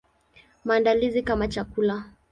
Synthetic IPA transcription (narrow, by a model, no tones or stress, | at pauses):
maːndalizikamat͡ʃakula